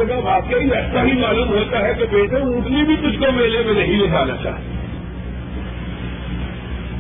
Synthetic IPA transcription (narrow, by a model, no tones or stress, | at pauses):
ɐɡabaːt̪kaiɛːsaɦimaːluːmɦoːt̪aɦɛkebeːʈʰeũːʈʰlibʱit̪ʊd͡ʒkomeːlemẽnɐɦĩlɪkʰaːnat͡ʃa̰ːɦt̪i